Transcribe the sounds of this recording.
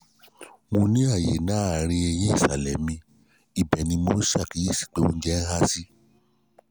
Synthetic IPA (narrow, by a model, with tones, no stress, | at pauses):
mõ˧nĩ˦a˦˨jḛ˨˦nã˨˦a˨ɾ̃ĩ˧e˧j̃ĩ˦i˦˨sa˨lɛ˨mĩ˧ | i˨bɛ˨nĩ˧mo˨˧˦ʃa˦˨ki˨˦i˦˨si̥˨˦k͡pe˦õ̰˧n̩˦d͡ʒɛ˦n̩˦ha˦si˦